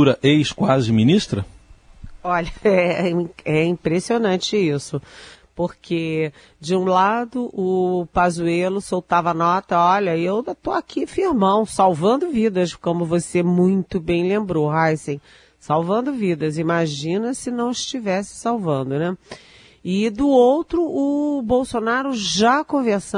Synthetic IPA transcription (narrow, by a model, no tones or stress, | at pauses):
uɾɐʔejʃkwazɪminiʃt̪ɾɐ | ɔʎɐɛ̃ | ɛĩpɾesionɐ̃t͡ʃɪisʊpoɾkʰe | d͡ʒɪũlad̪ʊʔʊpazuelʊsowt̪avɐnɔt̪ɐɔʎɐewt̪oakʰifiɾmɐ̃w̃sawvɐ̃nd̪ʊvid̪ɐskõmʊvosemũj̃t̪ʊbẽj̃lẽmbɾoɦajsẽj̃ | sawvɐ̃nd̪ʊvid̪ɐzimaʒĩnɐsɪnɐ̃w̃ɪʃt͡ʃivɛsɪ̥sawvɐ̃nd̪ʊnɛ | ɪd̪ʊowt̪ɾʊʔʊbowsonaɾʊʒakõveɾsɐ̃